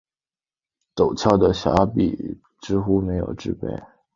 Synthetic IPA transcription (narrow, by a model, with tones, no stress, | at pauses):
t̪o˨˩ʊt͡ɕʰjɑ˥˩ʊd̪ə˩ɕja̰˧˥pḭ˨˩ | ʈ͡ʂɻ̩˥xu˥me˧˥ɪjo̰˨˩ʊʈ͡ʂɻ̩˥˧pḛ˥˩ɪ